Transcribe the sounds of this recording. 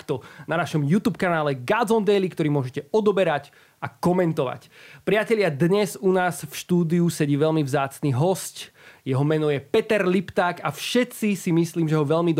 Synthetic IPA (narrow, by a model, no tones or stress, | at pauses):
kt̪ɔnanaʃɔmjut̪uːpkanaːlɛɡad͡zɔnd̪ɛjlikt̪ɔɾiːmʊɔʒɛcɛɔd̪ɔbɛɾac | akɔmɛnt̪ɔʋa̰cpɾɪacɛʎɪad̪ɲɛzunaːsfʃt̪uːd̪iusɛɟiːʋɛlmivzaːt͡sniːɦɔscjɛɦɔmɛnɔjɛpɛt̪ɛɾlipt̪aːkafʃɛt̪t͡sisimisliːmʒɛɦɔʋɛʎmid̪